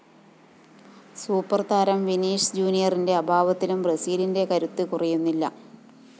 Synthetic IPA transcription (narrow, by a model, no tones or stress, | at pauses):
suːpːɐrt̪ʰaːɾɐmʋiniːʂɨd͡ʑuːnijɐrinde̞ɐbʱaːʋɐt̪ːilumbrɐsiːlinde̞kɐɾut̪ːɨkurɐjunːilːɐ̰